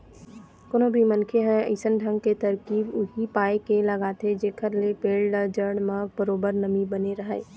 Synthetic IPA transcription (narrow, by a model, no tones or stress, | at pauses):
koːnobʱimənkʰeɦɛə̰ɪsənɖʱə̃ŋɡ̚ket̪əɾkiːbʊɦipaːekeləɡaːt̪ʰed͡ʒeːkəɾlepeːlɖəd͡ʒəɾɽ̃mãbəɾoːbəɾnəmibəneɾəɦə